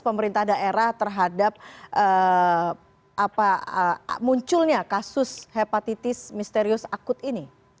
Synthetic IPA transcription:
pəməɾint̪ahdaʔeɾaht̪ərɦadap̚ʔə | ʔapaəmuɲt͡ʃʊlɲakasʊshepat̪it̪ɪsmist̪eɾiʊsakʊt̪ini

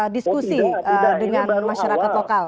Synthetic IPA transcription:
diskusidəŋanmaʃaɾakat̪lokal

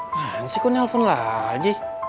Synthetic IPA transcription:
ansikɔnɛlfɔnlad͡ʒi

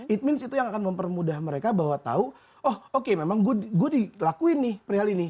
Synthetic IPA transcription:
it̪̚mɪnsit̪ujaŋakanməmpərmudaɦməɾekabaɦwat̪a̰u | ɔhokememaŋɡɡuadilakuɪnːɪhpəɾiɦalini

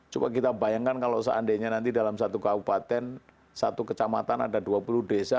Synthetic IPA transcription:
t͡ʃuba̰k̬it̪abajaŋkankalosəʔa̰ndeɲanant̪̬idalamsat̪ukabupat̪ɛn | sat̪ukət͡ʃamat̪ana̰daduapuluhdesa

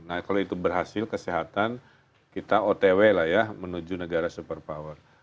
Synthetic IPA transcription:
nakaloit̪ubərɦasɪlkəsiɦat̪an | kit̪aot̪ewelahjamənud͡ʒunəɡaɾasupərpawər

